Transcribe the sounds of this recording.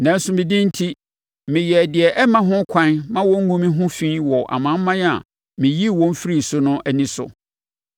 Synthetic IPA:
nã˨n̩˦sʊ˨mɪ̃˨dĩ˦n̩˦tʰi˦ | mɪ̃˨jɛ˨dɪ˨ɛ˨ʔɛ˦mã˦ɦʊ̃˦kʷʰã˦nmã˦wɔ̃˦ŋ̩˦ŋũ˦mĩ˦ɦʊ̃˦fĩ˦wɔ˨ʔa̰˨mã˨˦m̩˦mã˦na̰˨ | mɪ̃˨ji˦˨wɔ̃˦m̩˦fi˦ɾi˦˨sʊ˦nʊ̃˦ʔæ˨nĩ˦sʊ̰˨

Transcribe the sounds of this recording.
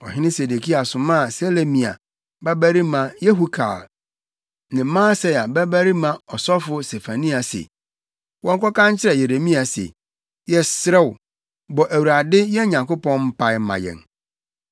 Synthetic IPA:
ɔ̰˨ɦɪ̃˦nɪ̃˦se˨de˨kʰi˦a˨sʊ̃˨mãː˦˨se˦le˦mĩ˨a̰˨ | ba˦bæ˦ɾi˦mã˨je˦ɦu˦kʰa̰ː˨l | nɪ̃˨˦mãː˦sɛ˦˨a˨bæ˦bæ˦ɾi˦mã˨ɔ˨sɔ˦fʊ˦se˨fa˨nĩ˦a˨sḛ˨ | wɔ̃˦ŋ˦kʰɔ˦kã˦ɲ˦t͡ɕʰɪ˦ɾɛ˨je˨ɾe˨mĩ˦a˨sḛ˨ | jɛ˦sɾɛ˦wʊ˨ | bɔ˨ʔæ˨wu˨ɾa˨dɪ˦jɛ˦ɲã˨ŋko˦pɔ̃˦nm̩˦pʰa˦ɪ˦mã̰˨jɛ̰˨n

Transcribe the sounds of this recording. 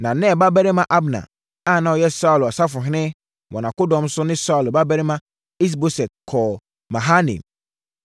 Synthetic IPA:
nã˨nɪ̃˦ɛ˨ba˦bɛ˦ɾɪ˦mã˦ʔa˦bnã̰˨ | a˦˨nã˨wɔ˨jɛ˦sa˦ʊ˨la˨sa˦fʊ˨ɦɪ̃˦nɪ̃˦ | wɔ̃˨nã˨kʊ˦dɔ̃˨˦m˦sʊ˦nɪ̃˦sa˦u˨lba˦bɛ˦ɾɪ˦mã˦ | i˦s̬bo˦sɛ˨t̚kʰɔː˨ | mã˨ɦa˦nḭ̃˨m

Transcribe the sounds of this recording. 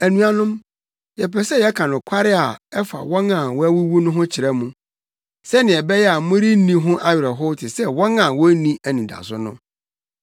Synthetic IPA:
æ˨nũ˨a˨nʊ̃˦m | jɛ˨pʰɛ˨sɛ˦jɛ˦kʰã˨nʊ̃˨kʷʰa˦ɾɪ˦a˨ɛ˦fa̰˨wɔ̃˦nã˨wɔ˦æ˦wu˦wu˦nʊ̃˦ɦʊ̃˦t͡ɕʰɪ˨ɾɛ˦mũ˦ | sɛ˦nɪ̃˨ɛ˨bɛ˦jɛ˦a˨˦mʊ̃˦ɾi˦nĩ˦ɦʊ̃˦ʔa˦ɥɪ˨ɾɛ˨ɦʊ˦tʰɪ˨sɛ˦wɔ̃˦nã˨wɔ˦nĩ˦æ˨nĩ˨da̰˨sʊ˦nʊ̃˦

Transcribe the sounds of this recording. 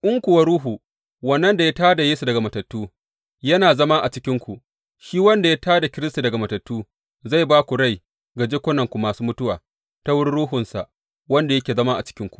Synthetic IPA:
ʔʊ˦ŋkʷʊ˨wa˦ɾuː˦ɦuː˨ | wɐ˨nːɐ˦nda˨ja˦taː˦da˨jeː˦su˨dɐ˨ɡa˨mɐ˨tɐ˨tːuː˦ | jɐ˦naː˨zɐ˦ma˦ʔa˨t͡ʃɪ˦kʲɪ˦ŋkʷu˨ʔ | ʃiː˦wɐ˦nda˨ja˦taː˦da˨kʲɪ˦ɾɪ˦sta˨dɐ˨ɡa˨mɐ˨tɐ˨tːuː˦ | za˦˨jbaː˦kʷu˨ɽa˦j | ɡa˨d͡ʒe˦kʷʊ˦nɐ˨ŋkʷu˨maː˨suː˦mʊ˦tʊ˦wa̰ː˨ | ta˦wʊ˦ɽɽuː˦ɦʊ˨nsa̰˨ʔ | wɐ˦nda˨jɐ˦kʲeː˨zɐ˦ma˦ʔa̰˨t͡ʃɪ̥˦kʲɪ˦ŋkʷu̥˨ʔ

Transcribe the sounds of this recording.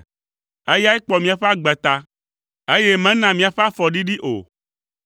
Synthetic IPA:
e˦ja˦ɛ˦k͡pɔ˨mĩ˨a˨ɸe˦a˦ɡ͡bɛ˨t̪a˦ | e˦je˦mɛ̃˦nã˨mĩ˨a˨ɸe˦a˦fɔ˨ɖi˦ɖi˦ʔo̰˨

